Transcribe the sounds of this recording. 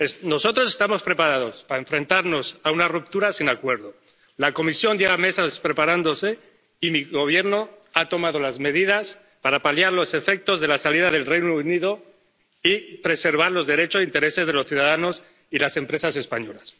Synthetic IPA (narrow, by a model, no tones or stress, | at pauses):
no̞so̞t̪ɾo̞se̞st̪amo̞spɾe̞paɾaðo̞spaaeɱfɾe̞nt̪aɾno̞saunarup̚t̪uɾasinakwe̞ɾðo̞ | lako̞misjo̞nd̪jeɣame̞saspɾe̞paɾand̪o̞se | imiɣo̞β̞je̞ɾno̞at̪o̞maðo̞lazme̞ð̞ið̞as | paɾapaljaɾlo̞se̞fe̞k̚t̪o̞zðe̞lasaliðaðe̞lrejnouniðo̞ | ipɾe̞se̞ɾβ̞aɾlo̞zðe̞ɾe̞t͡ʃosint̪e̞ɾe̞se̞zðelo̞sθjuðaðano̞s | ilase̞mpɾe̞sase̞spaɲo̞las